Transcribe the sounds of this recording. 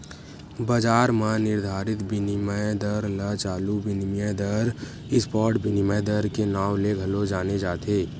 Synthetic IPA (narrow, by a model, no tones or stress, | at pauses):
bəd͡ʒaːɾmãnɪɾd̪ʱaːɾɪt̪bɪnɪməd̪əɾlət͡ʃaːlubɪnmjəd̪əɾ | ɪspɔːɾʈbɪnɪməd̪əɾkenaːwleɡʱəlod͡ʒaːned͡ʒaːt̪ʰeː